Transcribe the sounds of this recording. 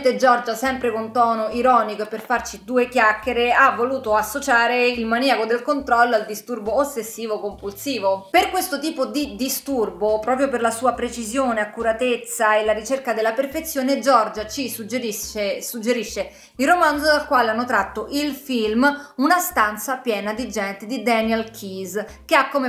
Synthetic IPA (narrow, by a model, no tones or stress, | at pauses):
t̪ed͡ʒɔrd͡ʒasɛmpɾekont̪ɔːnoiɾɔːnikoperfart͡ʃid̪uːekjakːeɾeavːoluːt̪oasːot͡ʃaːɾeilmaniakod̪elkont̪ɾɔlːoald̪ist̪urboːsːesːiːvokompulsiːvoperkwest̪ot̪iːpod̪id̪ist̪urbopɾɔːpɾjoperlasuːapɾet͡ʃizjoːneakːuɾat̪et̪sːaelaɾit͡ʃerkad̪elːaperfet̪sːjoːned͡ʒɔrd͡ʒat͡ʃisud͡ʒeɾiesud͡ʒːeɾiʃːe | ilromand̪zod̪alkwaːleanːot̪ɾat̪ːoʔilfilmunast̪ant̪sapjɛːnad̪id͡ʒɛnt̪ed̪id̪ɛnjalkʰizkeakːome